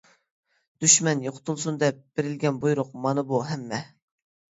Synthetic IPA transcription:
d̪̥yʃmɛnjoqʰʊ̥t̪ʰulˠsund̪ɛp̚b̥eɾɪlɡʲɛnbujɾʊqmɑnɨbuɦɛmːɛ

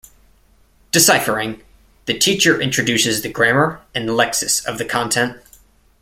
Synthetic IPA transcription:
d̥ɨsaɪfə˞ɪ̃ŋ | ðɨtʰit͡ʃə˞ʔɪ̃nt͡ʃɹ̥ɨdʉsɨzðɨɡɹæmə˞ɨ̃nlɛksɨsʌvðɨkʰɑ̃ntʰɛ̃nt̚

